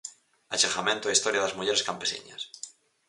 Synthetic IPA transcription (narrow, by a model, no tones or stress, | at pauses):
at͡ʃexamẽnt̪oaist̪oɾjaðazmuʎeɾeskampesḭɲa̰s